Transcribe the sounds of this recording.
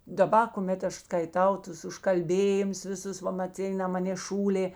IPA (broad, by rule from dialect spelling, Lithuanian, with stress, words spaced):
dɐˈbɐ kʊˈmʲeːt ˈɐʃ skɐɪˈtɐʊ ˈtʊs ʊʃkɐlʲˈbʲeːjɪmʊs ʋʲɪˈsʊs ˈʋɐ mɐˈt͡sʲɪnɐ ˈmɑːnʲeː ˈʃuːlʲeː